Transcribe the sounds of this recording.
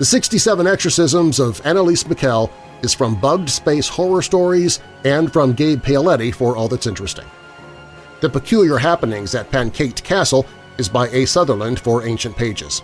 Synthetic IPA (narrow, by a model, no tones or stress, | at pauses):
ðɨsɪkstisɛvə̃nɛksə˞sɪzə̃mzʌvæñəlˠismɨkʰɛlˠ | ɨz̥fɹʌ̃mbʌɡ̚d̥speɪshɔɹə˞stɔɹiz | ɨ̃nfɹʌ̃mɡeɪpʰeɪəlɛɾifə˞ɔlˠðætsɪ̃nt͡ʃɹ̥ɨstɪ̰̃ŋ | ðɨpɨkʰj̥ʉlˠjə˞ɦæpənɪ̃ŋzɨt̚pʰæ̃nkʰeɪtkʰæsl̩ˠ | ɨzbaɪeɪsʌðə˞lə̃nd̥fə˞ẽɪ̃nʃɨ̃npʰeɪd͡ʒɪ̰z̥